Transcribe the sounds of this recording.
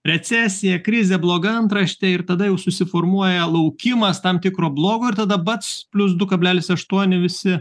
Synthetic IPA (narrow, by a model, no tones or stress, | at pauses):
ɾʲɛt͡ssʲæːsʲɪjɛkɾʲɪzʲeblˠoːɡɐɐnt̪ɾɐʃʲt̪ʲɛɪrt̪ɐd̪ɐjɛʊsʊsʲɪfoːrmuɔjɛlˠɐʊkʲɪmɐst̪ɐmt̪ʲɪkɾoːblˠoːɡoːɪɾt̪ɐd̪ɐbɐt̪spʲlʲʊsd̪ʊkɐbʲlʲæːlʲɪsɐʃt̪uɔnʲɪʋʲɪsʲɪ